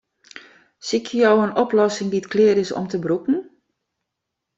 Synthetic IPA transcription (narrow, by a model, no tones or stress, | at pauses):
sikʰjəjɔwənɔplɔsɪŋditklɪəɾɪsɔ̰mtəbrukn̩